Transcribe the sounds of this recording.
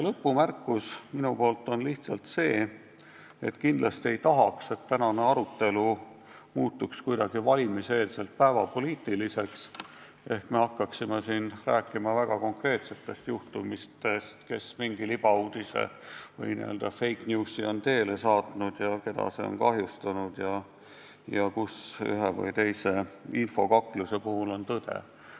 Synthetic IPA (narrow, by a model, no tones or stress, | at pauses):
jlɤpːumærkˑːusminupo̞ːlt̪ˑːo̞nliht̪sɑlt̪se̞ː | e̞t̪ːkind̪lɑst̪ie̞jt̪ɑɦɑkse̞t̪ːænɑne̞ɑɾut̪ːe̞lu | muːt̪ːukskujd̪ɑɡ̥ivɑlʲimiseːlse̞lt̪̚pæevɑpo̞liːt̪ːˑilise̞ks | ʔe̞hkme̞ɑkːɑksimesiːnræːkːˑimɑvæɡ̥ɑko̞ŋkre̞ːt̪se̞t̪ːˑe̞st̪juht̪umist̪est̪ke̞smiŋɡ̥ilib̥ɑuːd̪̥isḛvɤ̰jnḭøld̪ɑfe̞jknjuːsːio̞nt̪e̞ːle̞sɑːt̪nud̪̥jɑke̞d̪ɑ̰seo̞̰nkɑɦjust̪ɑnud̪̥jɑ | jɑkusy̰ɦevɤ̰jt̪e̞jse̞info̞kɑkːˑluse̞puhulo̞nt̪ɤd̪̥e̞̰